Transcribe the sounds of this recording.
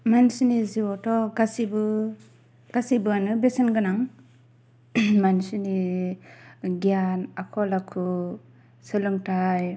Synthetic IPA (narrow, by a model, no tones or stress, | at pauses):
mansiniziwɔtɔɡasibɯ | ɡ̥asibɯanɯbesɯnɡɯnaŋ | mansini | ɡijanakʰɔlakʰu | sɯlɯŋtaj